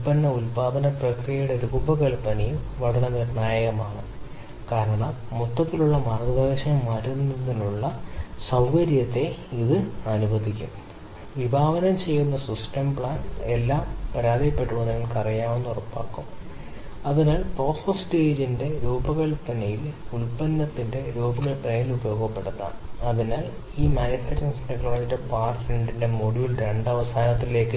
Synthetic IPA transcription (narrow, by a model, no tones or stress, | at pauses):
upɐnːɐulpaːd̪ɐnɐprɐkrijɐjuɽe̞ɾuːbɐkɐɭpːɐnɐjum | ʋɐɽɐnɐnɐrnaːjɐɣɐmaːɳɨ | kaːɾɐɳɐmːut̪ːɐt̪ːiluɭːɐmaːrɡɐd̪eːɕɐɐmːaːɾunːɐðinuɭːɐsɐwkɐɾjɐt̪ːe̞iðɨɐnubɐd̪ikʲːṵm | ʋibʱaːʋɐnɐmt͡ɕe̞jːunːɐsisʈɐmbɭaːnelːaːmpɐɾaːd̪ijɐpːe̞ʈːuʋɐnːɐʋɐɭkɐrijaːmenːurɐpːa̰ːkːum | ɐðinaːlpro̞ːsɐsteːd͡ʑinde̞ɾuːbɐɣɐɭpɐnɐjilulpɐnːɐt̪ːinde̞ɾuːbɐɣɐɭpɐnɐjilubɐjo̞ːɡɐpːe̞ɽunːɐ̰ɐðinaːl | iːmaːnifetːɐnsnikːɐaːjtːɨpaːrʈɾeɳɖinde̞moɽujulɾe̞ɳɖɐʋɐsaːnɐt̪ːile̞ːkːɨ